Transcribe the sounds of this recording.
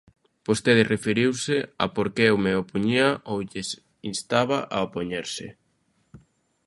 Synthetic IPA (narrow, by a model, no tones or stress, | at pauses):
post̪eðɪrefeɾiwsɪa̰poɾkewmeopuɲiaʔowʎes | inst̪aβaʔaopoɲeɾsɪ̰